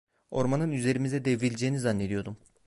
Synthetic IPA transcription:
o̞ɾmanɯnyze̞ɾimizɛd̪evɾilʲd͡ʒejinizanːe̞d̪ijo̞d̪um

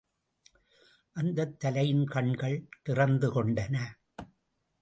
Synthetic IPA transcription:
ʔɐnd̪ɐt̪ːɐlɐjɪnkɐɳɡɐɭt̪ɪrɐnd̪ɯkɔɳɖɐnɐ

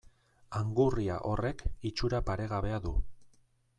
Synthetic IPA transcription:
aŋɡuria̰ʔo̞re̞kit͡ʃuɾapaɾe̞ɣaβe̞aðu

